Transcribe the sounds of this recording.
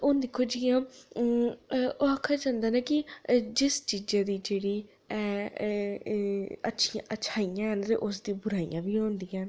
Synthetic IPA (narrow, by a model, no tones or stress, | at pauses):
ʊnd̪ɪkʰːoːd͡ʒiːãː | oakʰːaːd͡ʒãːnd̪aːnaːkɪd͡ʒɪst͡ʃiːd͡ʒãːd̪iːd͡ʒeːɽiː | ɛː | ə̰tːʃʰiãːʔətːʃʰaːijãːɦənt̪ḛʔʊsd̪ĩːbʊɾaːḭjã̰ːbiːõːnd̪ijãːn